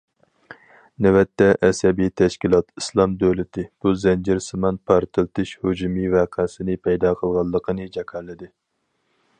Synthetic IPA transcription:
nɛwɛt̪ʰːɛʔɛsɛbit̪ʰɛʃkʲilˠɑt̪islˠɑmd̪øwlɪt̪ʰɪb̥uzɛnd͡ʒɪɾsɨmɑnpʰɑɾt̪ʰɨlˠt̪ɨʃhod͡ʒumɨvɛqʰæsɪnɪpʰɛjd̪ɑqʰəlˠʁɑlˠːəqʰənɨd͡ʒɛkʰɑɾlːɨd̪ɪ

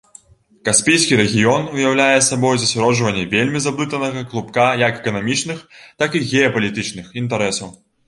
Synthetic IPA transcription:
kaspʲijskʲiɾɛɣʲijɔnujawlʲajɛsabɔjzɐsʲaɾɔʐvɐnʲːɛvʲelʲmʲizab̪ˠɨt̪ɐnɐɣɐklˠupkajɐkɛkɐnamʲit͡ʂnɨxt̪akiɣʲɛɐpɐlʲit̪ɨt͡ʂnɨxint̪ɐɾɛsɐw

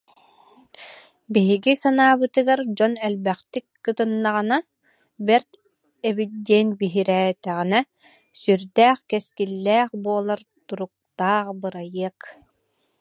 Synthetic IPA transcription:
biɦiɡisanaːbɯt̪ɯɡaɾd͡ʑɔnɛlbɛχt̪ikːɯt̪ɯnːaʁɯna | bɛɾt̪ | ɛbid̪iɛnbiɦiɾɛːt̪ɛʁinɛ | syɾd̪ɛːχkɛskilːɛːχbuɔlˠaɾ | t̪uɾuk̚t̪aːχbɯɾajiɐk

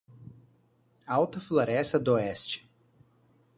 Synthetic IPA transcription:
awt̪ɐfloɾɛsɐd̪oɛst͡ʃɪ̥

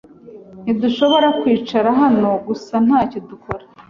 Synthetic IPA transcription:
n̥iduʃo̞βo̞ɾakwiːt͡ʃaɾaɦano̞ɡusan̥haːcodukʰo̞ɾa

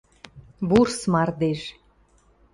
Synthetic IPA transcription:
βursmɑrd̪eʃ

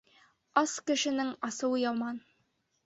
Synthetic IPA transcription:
ɑskɘ̆ʃɘ̆nɘŋɑsɤ̆wɤjɑwmɑn

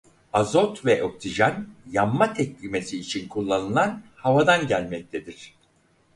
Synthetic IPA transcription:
azot̪vɛʔo̞ksiʒanjamːat̪ʰɛclʲime̞siːt͡ʃʰinkʰulˠːanɯlˠanhavad̪anɟælʲmɛc̚t̪ʰe̞d̪iɾ̥

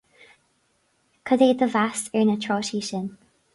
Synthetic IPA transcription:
kʰədeːəvastə˞nətʰɹ̥ɔːʃiʃən

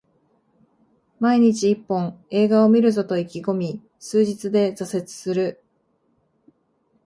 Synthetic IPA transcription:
maiɲ̟it͡ɕiːpːõ̞ŋe̞ːɡao̞mʲiɾɯ̟zo̞t̪o̞ikʲiɡo̞mʲi | sɨːʑit͡sɨd̪e̞zase̞t͡sɨ̥sɨɾɯ̟

